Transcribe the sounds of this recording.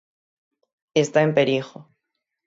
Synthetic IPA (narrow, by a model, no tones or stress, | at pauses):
est̪aempeɾixo